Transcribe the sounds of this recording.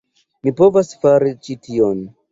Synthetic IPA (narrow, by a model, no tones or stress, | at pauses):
mipo̞vasfaɾit͡ʃitʰion